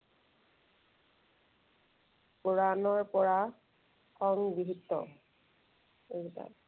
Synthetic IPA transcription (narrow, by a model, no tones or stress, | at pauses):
poɹanɔɹpɔɹa | kʰɔŋbiɦitːɔ̰ | eita̰